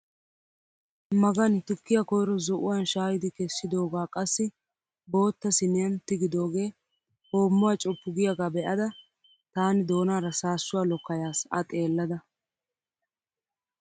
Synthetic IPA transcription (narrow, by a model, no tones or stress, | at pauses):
mɐɡɐnt̪ʊkːɪjɐkɔjɾɔzɔʔʊ̰wanʃaːjɪd̪ɪkɛsːɪd̪o̞ːɡaːkʼɐsːɪ | bo̞ːt̪ːɐsɪnɪjɐnt̪ɪɡɪd̪o̞ːɡe̞ː | ho̞ːmːʊwat͡ʃʼɔpːʊɡɪjɐɡaːbɛʔɐd̪ɐ | t̪aːnɪd̪o̞ːnaːɾɐsaːsːʊwaːlɔkːɐjaːsɐ̰t̪ʼe̞ːlːɐd̪ɐ